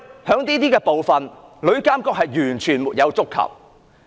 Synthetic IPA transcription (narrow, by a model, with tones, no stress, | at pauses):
hœː˨˧˥ŋt̪iː˥t̪iː˥kɛː˧po˨wfɐ˨nlɵ˨˧ɥkaː˥mkɔː˧˥k̚hɐ˨jːyː˨˩nt͡ʃʰyː˨˩nmuː˨t̚jɐ˨˧wt͡sʊ˥kʰːɐ̰˨˩w̚